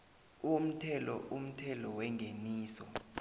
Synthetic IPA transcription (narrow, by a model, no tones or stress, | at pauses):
um̩tʰɛlɔ̰ʔum̩tʰɛlɔwɛŋɡʱeniːsɔ